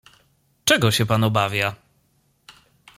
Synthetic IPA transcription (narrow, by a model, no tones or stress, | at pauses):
t͡ʂɛɡɔɕɛpanɔbavʲja